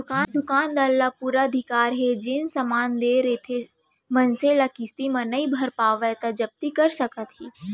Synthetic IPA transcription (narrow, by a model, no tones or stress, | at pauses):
d̪ʊkaːd̪ʊkaːnd̪aːlːapuːɾaəd̪ʱɪkaːɾɦed͡ʒɪnsɐmaːnd̪eːɾet̪ʰe | mɐnselakɪst̪imɐ̃nɐibʱɐɾpaːʋɛt̪ad͡ʒɐb̚t̪ikɐɾsɐkət̪ɦiː